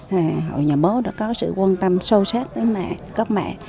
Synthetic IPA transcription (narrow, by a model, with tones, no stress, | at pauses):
aː˨˩ho̰˧˨jɲaː˨˩ɓo˨˦ɗa̰ː˧˥kɔ˨˦sɨ̰˧˨kwaː˧nt̪ə˧mso˧saː˦˥t̚vəː˨˦jmɛ̰˧˨kə˦˥k͡p̚mɛ̰˧˨